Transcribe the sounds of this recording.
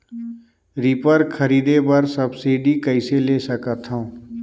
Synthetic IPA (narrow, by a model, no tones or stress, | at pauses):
ɾipəɾkʰəɾiːd̪ebəɾsɐbsiːɖikəɪseleːsəkət̪ʰɦõː